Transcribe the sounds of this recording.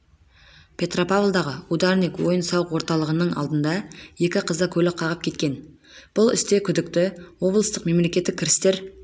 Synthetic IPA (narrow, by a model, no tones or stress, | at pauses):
pʰʲe̞t̪ro̞pavlˠd̪ɑʁəud̪ɑɾnikwo̞jənsɑwəqwo̞ɾt̪ɑlˠəʁənəɴɑ̰lˠd̪ənd̪ɑje̞kʲɪqʰəzəkʲʰɵlɪqʰɑʁəp̚kʲʰe̞t̪̚kʲe̞n | b̥ʊlˠɪ̰st̪e̞kʲʰʏd̪ɪk̚t̪ɪwo̞blˠəst̪əqme̞mle̞kʲe̞t̪ːɪkʲʰːɪɾɪst̪e̞ɾ